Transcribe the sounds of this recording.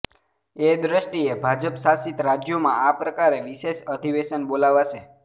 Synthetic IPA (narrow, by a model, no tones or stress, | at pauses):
ed̪ɾəʃʈiebʱad͡ʒəpʃasit̪ɾad͡ʒjomã̰apɾəkaɾeʋiʃeʃəd̪ʱiʋeʃənbolaʋaʃe